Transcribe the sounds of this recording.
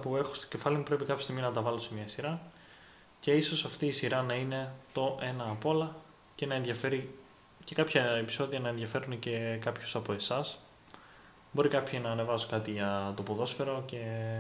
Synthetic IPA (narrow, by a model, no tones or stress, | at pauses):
pue̞xo̞̥st̪o̥ce̞fɐlimupɾe̞pikɐpʰjost̪iɣminɐt̪ɐvɐlo̞se̞mɲɐsiɾɐ | ce̞iso̞sɐft̪iːsiɾɐnɐine̞t̪o̞ʔe̞nɐːpo̞lɐ | ce̞nɐenðʝɐfe̞ɾi | ce̞kɐpçɐepi̥so̞ðiɐnɐe̞nðʝɐfe̞ɾunece̞kɐpço̥sɐpo̞e̞sɐs | bo̞ɾikɐpçinɐːne̞vɐsokɐt̪iʝɐt̪o̞po̞ðo̞sfe̞ɾo̞ce̞